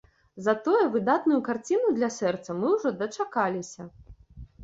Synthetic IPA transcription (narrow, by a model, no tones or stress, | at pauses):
zɐt̪ɔjɛvɨd̪at̪nʊjukart͡sʲinud̪lʲɐsɛrt̪sɐmɨwʐɔd̪ɐt͡ʂakalʲisʲɐ